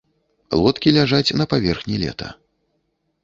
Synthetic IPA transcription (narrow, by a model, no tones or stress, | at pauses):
lˠɔt̪kʲilʲaʐat͡sʲnɐpavʲɛrxnʲilʲɛ̰t̪ʰɐ̰